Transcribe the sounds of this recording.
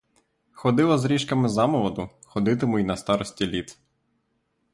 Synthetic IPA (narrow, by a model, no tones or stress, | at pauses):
xɔd̪ɪlˠɐzɾʲiʃkɐmɪzɑmɔʋɔd̪ʊxɔd̪ɪt̪ɪmʊjnɐst̪ɑɾɔsʲtʲilʲit̪